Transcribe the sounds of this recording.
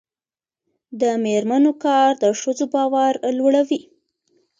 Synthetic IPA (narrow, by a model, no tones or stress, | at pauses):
d̪əmeɾmanokɑɾd̪əʂəzobɑwaɾlwəɽawi